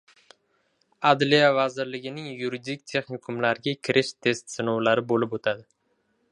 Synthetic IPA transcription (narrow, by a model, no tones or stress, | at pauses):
ad̪lijavazɪɾlɪɡʲɪnɪŋjuɾid̪ɪk̚ʲt̪ʰe̞χnɪkʰʊmlaɾɪɡʲakʲʰɪɾʔɪʃt̪ʰe̞st̪sɪnowlaɾɪbolɪpot̪ʰad̪ɪ